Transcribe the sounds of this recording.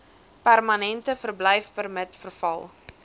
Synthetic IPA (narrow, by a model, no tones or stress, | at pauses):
pærmɐnɛntəfərblɛjfpərmətfərfɐ̰lˠ